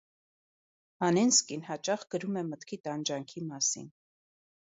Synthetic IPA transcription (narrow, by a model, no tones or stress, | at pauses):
ɑnɛnskinhɑt͡ʃɑχɡəɾumɛmət̪kʰit̪ɑnd͡ʒɑŋkʰimɑsḭn